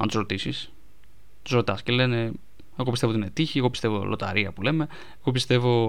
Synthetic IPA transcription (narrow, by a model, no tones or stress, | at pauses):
ɐ̰nt̪usɾot̪isis | t̪u̥sɾo̞t̪ɐscele̞ne̞ | eɣoist̪eoinet̪içieɣo̞pist̪e̞vo̞̰lʔo̞t̪ɐ̰ɾiɐpule̞me̞ | eɣo̞p̬ist̪e̞vo̞